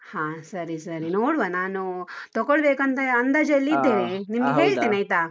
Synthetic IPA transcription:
hãːsɐɾisɐɾinoːɽʋanaːnut̪ɔɡoɭbeːkɐnt̪ɐɐnd̪ɐd͡ʒɐlːiːd̪ːeːnenimɐɡeɦe̞ːɭtt̪iːniɐjt̪aː

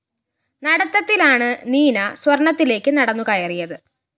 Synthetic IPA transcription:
nɐɽɐt̪ːɐt̪ːilaːɳɨniːnɐswɐrɳɐt̪ːile̞ːkːɨnɐɽɐnːuɣajɐrijɐðɨ

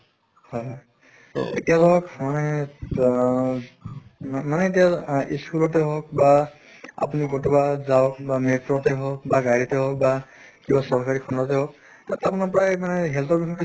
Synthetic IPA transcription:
hɔj | to̰ḛtialɔɦɔkmanɛ | manɛet̬ijaiskulɔtɛɦɔk̚ba | a̰punikɔtubazak̚bametɹɔtɛɦɔk̚baɡaɹitɛɦɔk̚ba | kibasɔɹkaɹikʰɔndɔtɛɦɔk̚ | tatapunaɹpɔɹajmanɛɦɛltɔɹbikʰɔki

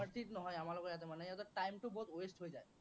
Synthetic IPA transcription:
aɾt̪ʰitnɔɦɔjamalɔkeat̪emanɛt̪ɔʈajmʈubot̪oesʈɦojzaj

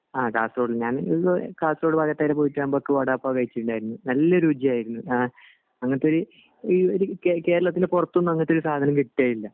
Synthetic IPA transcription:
aːkaːsro̞ːɽɨlɲaːniokaːsro̞ːɽɨpɐɡɐt̪ːaːjilepoːjitːaːmbokːɨʋɐɽɐːpːaːkɐjit͡ɕːiʈːuɳɖaːjiɾunːunɐlːɐɾuːd͡ʑijaːjiɾunːua | ɐŋːɐt̪ːeoɾu | ioɾukeke̞ːɾɐɭɐt̪ːindepurɐt̪ːuonːuɐŋːɐt̪ːeo̞ɾusaːd̪ʱɐnɐmkiʈːaːjilːɐ

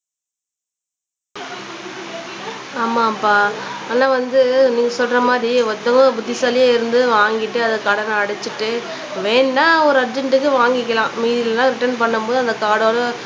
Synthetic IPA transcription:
aːmaːpaːaːnːaːʋɐnd̪ɯniːŋɡɐsɔlɾɐmaːðɾiɔt̪ːɐŋɡobʊd̪ːɪsaːlɪjaːɪɾɯnd̪ɯʋaːŋɡɪʈːɯɐðɐkɐɽɐnɐɐɽɐt͡ʃːɯʈːɯ | ʋeːnːaːɔɾɯɐɾd͡ʒɐɳʈɯkːɯʋaːŋɡɪkːɐlãːmiːðɪlɐlãːɾɪʈːɐnpɐɳːɯmboːðɯɐnd̪ɐkaːɽoːlɐ

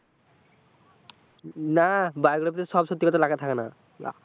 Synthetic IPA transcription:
nabajɡɹapt̪ɛsɔbsɔt̪ːikɔt̪alaɡɛt̪ʰakɛna | a̰

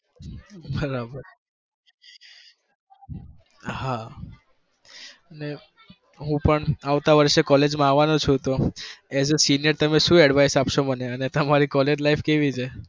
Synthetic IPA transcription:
bəɾabəɾ | ha | əne | ɦũpəɳaʋt̪aʋəɾʃekɔled͡ʒmãaʋanõt͡ʃʰũt̪oezesinijəɾt̪əmeʃũɛɖʋajsapʃoməneənet̪əmaɾikɔled͡ʒlaifkeʋit͡ʃʰe

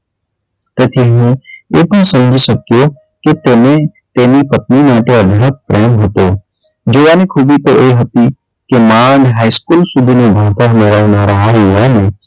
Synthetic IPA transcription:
t̪eːt̪ʰeɦmẽeːt̪ãsɐmd͡ʒʱisɐkijo | ket̪eːmẽt̪eːnipət̪̚nimãːʈeɐd̪ʱəɾək̪̚pɾeːmɦɐt̪oː | d͡ʒoːʋaːnikʰuːbit̪oʔeɦɐt̪i | kemaːnɦaːɪskuːlsud̪ʱinebʱaːʋt̪aɦnaɾanaːɾaɦaɦiʋãːne

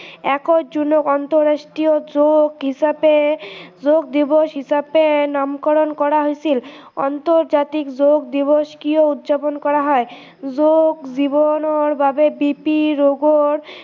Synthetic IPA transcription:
ɛkod͡ʑunokɔnt̪oɾɾːaʃʈɾiod͡ʑoɡɦiʃabed͡ʑoɡ̚d̪iboʃɦiʃabenamkaɾonkɔɾaɦojt͡ɕʰilɔ̰nt̪oɾd͡ʑat̪ikd͡ʑoɡ̚d̪iboʃkioud̪d͡ʑaponkɔɾaɦɔe | d͡ʑoɡd͡ʑibonoɾbʱabebipiɾoɡoɾ

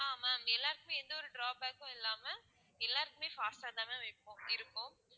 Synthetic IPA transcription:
aːmaːmɛlːaːɾɯkːɯmeːɛnd̪ɐɔɾɯɖɾaːb̚aːkːʊ̃ɪlːaːmɐ | ɛlːaːɾɯkːɯmeːfaːsʈaːd̪ãːmeːʋɐɪpːõːɪɾɯkːʊ̃

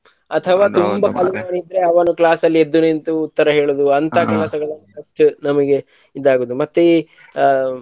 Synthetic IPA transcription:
ɐt̪ʰɐʋaːt̪umbɐkɐlumaːniid̪ɾeɐʋɐːnuklaːsɐlːied̪ːunent̪uːt̪ːɐɾɐɦeːɭoːd̪uɐnt̪ʰɐklaːsɐɡɐɭɐnːuɐʂʈunɐmɐɡe̞ | id̪ːaːɡoːd̪umɐt̪ːe

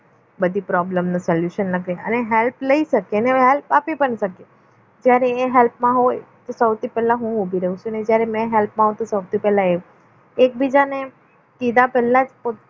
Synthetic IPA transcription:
bəd̪ʱipɾɔbləmnusɔljuʃənləɡɾeə̰neɦelpləiʃəkeneeɦɛlpapipəɳʃəke | d͡ʒjaɾeːɦelpmãɦojt̪osəwt̪ipɛlãɦũubʱiɾəɦũt͡ʃʰũned͡ʒjaɾemɛ̃ɦɛlpmãɦot̪osəwt̪ipɛlãe | ek̚bʱid͡ʒane | kid̪apɛlːad͡ʒpo

